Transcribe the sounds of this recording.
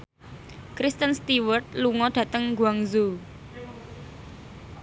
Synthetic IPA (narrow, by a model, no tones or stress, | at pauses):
kɾist̪ənst̪iwərt̪̚luŋɔɖ̥ä̤t̪əŋɡuaŋzu